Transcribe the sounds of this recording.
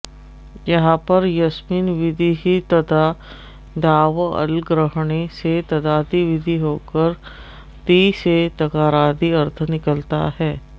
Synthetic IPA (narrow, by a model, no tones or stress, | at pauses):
jɐɦãpɐɾjɐsmiːnʋɪd̪ʱiɦit̪ɐd̪a | d̪aːʋɐ̰lɡɾəɦɳeset̪ɐd̪aːd̪iʋɪd̪ʱiɦoːkəɾ | t̪iset̪ɐkaːɾaːd̪iɐɾt̪ʰnɪkəlt̪a̰ɦɛː